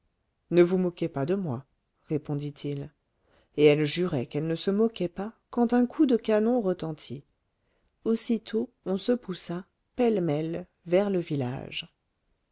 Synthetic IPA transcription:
nəvumɔkepad̪əmwa | ʁepɔ̃d̪it̪ʰil | eɛlʒyʁɛkɛlnəsəmɔkɛpakɑ̃t̪ɛ̃kʰud̪əkanɔ̃ʁət̪ɑ̃t̪ʰi | osit̪ʰo | ɔ̃səpusa | pɛlmɛl | vɛʁləvila̰ʒ

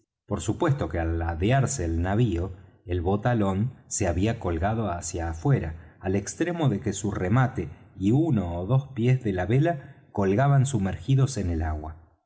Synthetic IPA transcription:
po̞ɾsupwe̞st̪o̞kealːaðeaɾseːlnaβio̞ | elβo̞t̪alo̞nse̞aβiako̞lɣaðo̞asjaːfwe̞ɾaːle̞kst̪ɾe̞mo̞ðe̞ke̞suremat̪e̞iunoːðospje̞zðe̞laβe̞lako̞lɣaβansumeɾxiðo̞se̞nelaɣwa̰

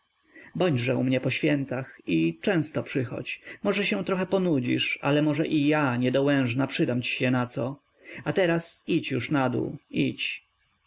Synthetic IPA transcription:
bɔɲdʐɛumɲɛpɔɕfʲjɛnt̪axit͡ʂɛ̃w̃st̪ɔpʂɘxɔ̰t͡ɕmɔʐɛɕɛ̃t̪ɾɔxɛpɔnud͡ʑḭʂa̰lɛmɔʐɛʔijaɲɛd̪ɔwɛ̃w̃ʐnapʂɘd̪amt͡ɕi̥ɕɛnat̪sɔ | at̪ɛɾasit͡ɕjuʂnad̪ṵit͡ɕ

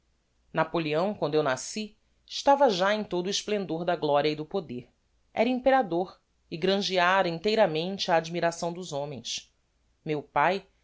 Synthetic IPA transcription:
napoliɐ̃w̃kwɐ̃nd̪ʊewnasi | ɪʃt̪avɐʒaẽj̃t̪od̪ʊɪʃplẽnd̪oɾd̪ɐɡlɔɾiɐid̪ʊpod̪eɾ | ɛ̰ɾɐĩpeɾad̪oɾ | ɪɡɾɐ̃ʒiaɾɐĩt̪ejɾɐmẽnt͡ʃɪɐːd͡ʒimiɾasɐ̃w̃d̪ʊzõmẽj̃s | mewpaj

